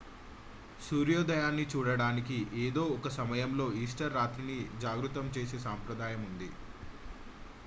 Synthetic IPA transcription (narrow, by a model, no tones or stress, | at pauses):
suːɾjoːd̪ɐjaːnːit͡ʃuːɽɐɽaːnikiʔeːd̪o̞ːɔkɐsɐmɐjɐmlo̞ːiːsʈɐɾːaːt̪ɾinid͡ʒaːɡɾut̪ɐmt͡ʃe̞ːseːsaːmpɾɐd̪aːjɐmund̪i